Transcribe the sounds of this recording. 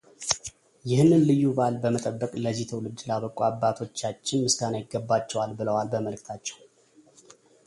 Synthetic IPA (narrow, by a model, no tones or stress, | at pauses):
jɪhnːɨnlɨjːubalbəmət̪ʼəbːəkʼləzit̪ʰəwlɨd͡ʒ̪laβəkʼuabːat̪ʰo̞t͡ʃːat͡ʃːɪnmɨst̪ʰanajɪɡːəbːat͡ʃːɛwalbɨləwalbəməlɨkt̪ʰat͡ʃːɛw